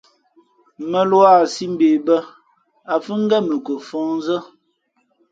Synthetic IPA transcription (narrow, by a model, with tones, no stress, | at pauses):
mə˨lwa˦˨si˦m̩˦be˨bə˦ | a˨fə˦ŋ̩˦ɡɛ˦mə˨kə˨fɔ̃˦ŋn˦zə˦